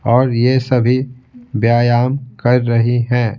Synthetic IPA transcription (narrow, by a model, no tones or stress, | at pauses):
ɔːɾjesɐbʱibjaːjaːmkɐɾːɐɦiɦɛ̃ː